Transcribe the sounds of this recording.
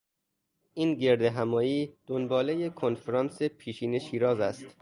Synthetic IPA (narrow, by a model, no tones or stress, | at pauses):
ʔiːnɟe̞ɾd̪eɦæmɒːjiːd̪onbɒːlejekʰonfeɾɒːnsepʰiːʃiːne̞ʃiːɾɒːzæst̪